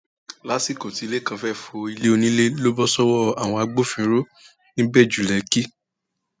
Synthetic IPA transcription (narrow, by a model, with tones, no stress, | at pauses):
la˨˦si˦˨ko˨ti˨˧le˦˨kã˧fɛ˦˨fo˧i˧le˦o˧nĩ˦le˦lo˦bɔ˦sɔ˦wɔ˦a˨w̃ɔ̃˧a˧ɡ͡bo˦fĩ˧ɾo˦ | ñ̩˦bɛ˦˨d͡ʒu˨lɛ˨ki˦